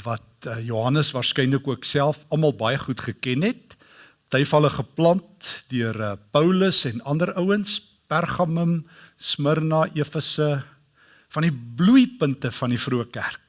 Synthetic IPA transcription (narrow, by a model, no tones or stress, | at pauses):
vɐt̚ːjuɦɐnəsvɑːrskɛjnləkuəksælˠfɐmɐlˠbɐjəχutχəkɛnɦɛt̚ | təjfɐləχəplɐntdyərəpəwləsɛnɐndərəwəns | pærχɑməmsmərnɑːʔiəfəsə | fɐndiblujpəntəfɐndifruəkærk̚